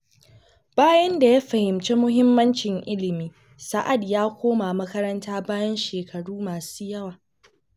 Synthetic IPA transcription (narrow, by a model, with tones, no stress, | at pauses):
b̥aː˦jɐ˦nda˨ja˦ɸɐ˨hɪ˨mt͡ʃeː˦mʊ˦ɦɪ˦mːɐ˦nt͡ʃɪ˨ŋʔɪ˦lɪ˨miː˦ | sɐ˨ʔa˨djaː˦kʷoː˦ma˨mɐ˦kɐ˦ɾɐ˦ntaː˦baː˦jɐ˦nʃeː˨kʰɐ˨ɽuː˦maː˨suː˦jɐ˦waː˨